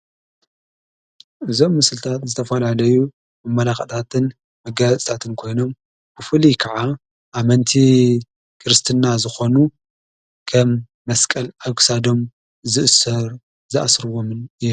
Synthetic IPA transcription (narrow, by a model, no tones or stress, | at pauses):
ʔɨzo̞mːɨsɨlt̪ʰat̪zɨt̪ʰɐfɐlalɐju | mɐmːɐlaxɐt̪ʰat̪ʰɨn | mɐɡaat͡sʼt̪ʰat̪ʰɨnkʰo̞jno̞m | b̥ɨfɨlikʰɐʕa | ʔamɐnt̪ʰi | kʰɨɾɨst̪ʰɨnːazɨxo̞nu | kʰɐmː | ɐskʼɐlaksad̪o̞m | zɨʔɨsɐɾ | zɨʔa̰sɾɨwo̞mɨnɨj